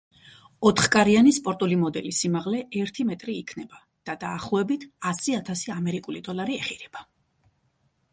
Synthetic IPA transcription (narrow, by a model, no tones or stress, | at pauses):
ɔt̪ʰχkʼaɾianispʼɔɾt̪ʼulimɔd̪ɛlisimaʁlɛɛɾt̪ʰimɛt̪ʼɾiːkʰnɛba | d̪̥ad̪aːχlˠɔɛbit̪ʰasiat̪ʰasiamɛɾikʼulid̪ɔlˠaɾiɛχiɾɛb̥a